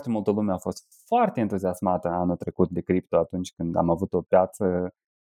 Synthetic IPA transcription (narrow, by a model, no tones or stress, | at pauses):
t̪emult̪əlumeafo̞st̪ | foart̪e̞ːnt̪uziasmat̪əanut̪ɾe̞kut̪̚d̪e̞kɾip̚t̪oat̪unt͡ʃʲkɨnd̪a̰mavut̪o̞pjat̪sə